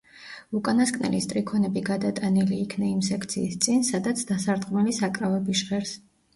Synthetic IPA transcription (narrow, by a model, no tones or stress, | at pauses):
ukʼanaskʼnɛ̰list̪ʼɾikʰɔnɛbiɡad̪at̪ʼaniliːkʰnɛimsɛkʰt̪sʰḭːst̪sʼinsad̪at̪sʰd̪asaɾd̪ʁmɛlisakʼɾavɛbiʃʁɛɾs